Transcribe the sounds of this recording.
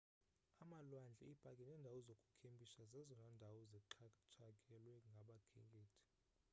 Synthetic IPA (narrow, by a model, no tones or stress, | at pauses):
amalwand͡ɮʱɛ̰ibʼʱakʼɛnɛːndʱawɔzokʼu̥kʰembʱiʃazɛzɔnɛndʱawɔzɛǁʰt͡ʃʰakʼɛlwɛŋɡʱaɓakʰɛ̰kʼeːtʰi̥